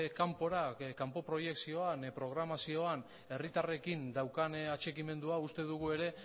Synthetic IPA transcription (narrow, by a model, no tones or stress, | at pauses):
kampo̞ɾakampo̞pɾo̞je̞ksio̞anpɾo̞ɣ̞ɾamasio̞an | e̞rit̪are̞kind̪awkanat͡ʃe̞kime̞nd̪uaust̪e̞ð̞uɣ̞ue̞ɾe̞